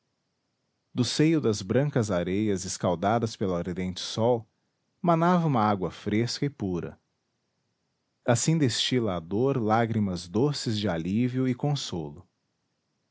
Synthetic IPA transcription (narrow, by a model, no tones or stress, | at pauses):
d̪ʊsejʊd̪ɐzbɾɐ̃ŋkɐzaɾejɐzɪskawd̪ad̪ɐspelʊaɾd̪ẽnt͡ʃɪ̥sɔw | manavɐũmɐaɡwɐfɾeskɐɪpuɾɐ̰ | asĩd̪est͡ʃilɐːd̪oɾlaɡɾimɐzd̪osɪzd͡ʒɪaliviʊɪkõsolʊ